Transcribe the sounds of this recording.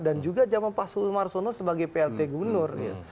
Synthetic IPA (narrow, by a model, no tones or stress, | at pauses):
dand͡ʒuɡad͡ʒamanpasulmarsonosəbaɡajpeɛlt̪eɡubərnʊrja̰